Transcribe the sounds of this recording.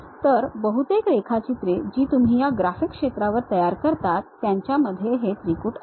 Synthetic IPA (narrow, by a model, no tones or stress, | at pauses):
t̪əɾbəɦut̪ekɾekʰat͡ɕit̪ɾed͡ʑiːt̪um̤iːjaɡɾafikʂet̪ɾaʋəɾt̪əjaɾkəɾt̪at̪ːjaɲt͡ɕjaməd̪ʱːjeɦet̪ɾikuːʈ